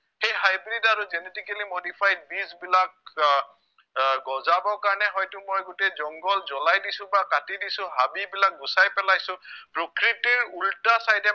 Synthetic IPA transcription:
xejɦajbɹidaɹuzɛnetikəlimodipʰaj̚bizbilak̚ | ɡɔzabɔkaɹɔnɛɦɔjtʊmojɡotezɔŋɡɔlzɔlajdisʊ̃bakatidisʊ̃ɦabibilak̚ɡusajpɛlajsʊ̃pɹokɹitiɹultasajdɛ

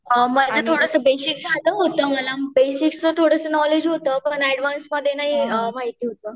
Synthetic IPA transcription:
əməd͡zət̪ʰoɽəsəbesiksɦad̪əɦot̪əːməlabesikst̪ət̪ʰoɽəsənɔled͡ʑɦot̪əpəɳɛɽʋansməd̪ʱːjenaɦiəʋaɦit̪iːɦot̪ə

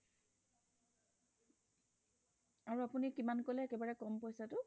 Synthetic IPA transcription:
aɹuapunikimankolɛːkɛbaɹɛkɔmpojsatʊ

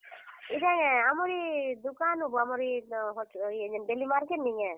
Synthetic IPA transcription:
idaŋɛamɔɾid̪ukanubɔamɔɾiɦɔiɛɲɛnbelimaɾkɛnːiŋɛ

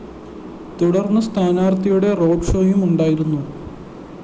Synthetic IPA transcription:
t̪uɽɐrnːɐst̪ʰaːnaːrt̪ɐjuɽe̞ro̞ːpʂoːjumuɳɖaːjiɾunːu

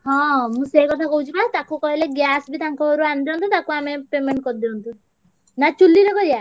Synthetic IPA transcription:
hɔ̃mũsekɔt̪ʰakɔɦut͡ʃʰubat̪akukɔɦileɡjasbit̪aŋkɔoɾuand̪iɔnt̪ut̪akuamepemeɳʈkɔɾd̪iɔnt̪u | nat͡ʃulːiɾɔkɔɾia

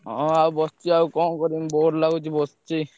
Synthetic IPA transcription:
ɔ̃abɔst͡ʃiaukɔnkɔɾinbɔɾlaɡut͡ʃibɔst͡ʃi

